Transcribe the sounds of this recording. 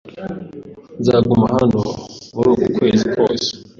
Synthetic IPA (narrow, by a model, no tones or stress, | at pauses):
nzaːɡumahano̰muɾuːkukwe̞ːzikoːse̥